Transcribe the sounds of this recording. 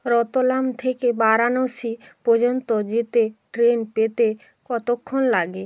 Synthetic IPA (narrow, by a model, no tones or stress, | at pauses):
ɾɔt̪olamt̪ʰekebaɾanosipɔd͡ʑont̪od͡ʑit̪eʈɾenpet̪e | kɔt̪okʰːonlaɡe